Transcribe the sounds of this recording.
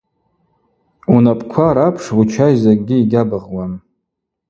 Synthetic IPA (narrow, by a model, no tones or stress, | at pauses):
unapʼkʷʰaɾapʰʂwut͡ʃʰajzak̚ʼɡʲiiɡʲabɨʁwan